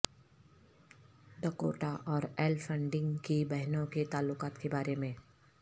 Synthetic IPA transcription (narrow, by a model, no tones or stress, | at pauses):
ɖɐko̰ːʈaʔɔːɾɛːlfə̃ɳɖɪ̃ŋɡkibɛɦnõket̪aːlːʊqaːt̪kebaːɾemẽː